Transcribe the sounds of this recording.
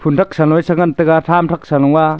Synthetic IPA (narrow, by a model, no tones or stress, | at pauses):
pʰuntʰak̚sanɔjsaŋantɯɡatʰamtʰak̚salɔŋa